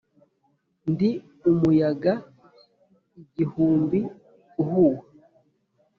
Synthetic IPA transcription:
ndi | umujaɡa | iɟihuːmbi | uhuwa

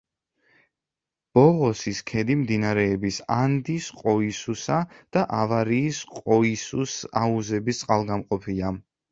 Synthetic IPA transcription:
b̥ɔʁɔsiskʰɛd̪imd̪inaɾɛːbisand̪isqʼɔisusad̪̥aʔavaɾiːsqʼɔisusauzɛbist̪sʼqʼalˠɡamqʼɔpʰia

